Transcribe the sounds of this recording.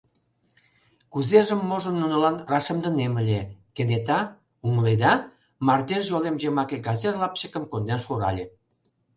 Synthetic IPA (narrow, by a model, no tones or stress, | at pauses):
kuzeʒəmːoʒə̆nːunə̆lɑnrɑʃə̆md̪ə̆neməlʲekenet̪ɑ | umled̪ɑ | mɑrd̪eʃʒɑlemʒemɑkeɡɑzerlɑpt͡ɕəkə̆mkond̪enʃoɾɑ̰lʲe